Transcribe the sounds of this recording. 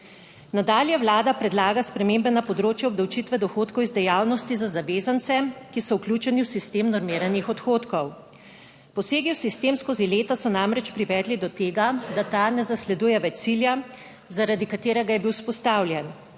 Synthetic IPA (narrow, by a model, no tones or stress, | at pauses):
nad̪aːljɛwlaːd̪apɾɛd̪laːɡaspɾɛmembɛnapɔd̪ɾoːt͡ʃjɛɔbd̪ɐwt͡ʃit̪ʋɛd̪ɔxoːt̪kɔwizd̪ɛjaːwnɔst̪izazaʋeːzant̪sɛkisɔwklʲjuːt͡ʃɛniwsist̪eːmnɔɾmiːɾanjixɔt̪xoːt̪kɔw | pɔseːɡiwsist̪eːmskozileːt̪asɔnamɾɛt͡ʃpɾiʋɛːd̪lid̪ɔt̪eːɡad̪at̪anɛzaslɛd̪uːjɛʋɛt͡ʃsilja | zaɾad̪ikat̪eːɾɛɡajɛbiwspɔst̪aːwlʲjɛn